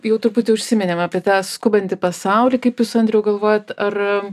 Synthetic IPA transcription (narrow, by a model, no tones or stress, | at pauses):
jɛʊt̪ʊɾpʊt̪ʲɪʊʃʲsʲɪmʲɪnʲemɑːpʲiɛt̪ɑːskʊbɐnʲt̪ʲɪpɐsɐʊlʲiːkɐɪpjuːsɐnʲd̪ʲɾʲɛjʊɡɐlˠʋoːjɛt̪ɐr